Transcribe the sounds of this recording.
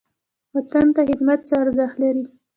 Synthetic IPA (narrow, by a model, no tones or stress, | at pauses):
wat̪ant̪ahɪd̪mat̪̚t͡səaɾzaxt̪laɾi